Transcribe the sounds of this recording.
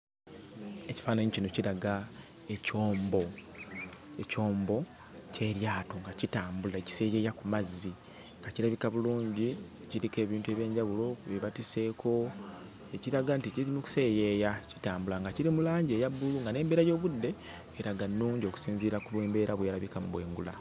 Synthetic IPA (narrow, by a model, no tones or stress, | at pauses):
e̞ci̥faːnaɲicino̞ciɾaɡa | ecoːmbo̞ | eco̞ːmbo̞ | ce̞ɾjaːtoŋɡacitaːmbulaeci̥se̞ːje̞jakumazːi | ŋɡaciɾaβikaβuluːɲɟi | ciɾike̞ːβiːntue̞βje̞ːɲɟaβulo̞eβatise̞ːkʰo̞ | eciɾaɡanticizimuku̥se̞ːje̞jaci̥taːmbulaŋɡaciɾimulaːɲɟe̞ːjabːuluŋɡane̞ːmbe̞ːɾajo̞ːβudːe̞ | eɾaɡanːuːɲɟio̞ku̥siːnziːɾakuβwe̞ːmbe̞ːɾaβwejaɾaβikamuβwe̞̰ːŋɡula̰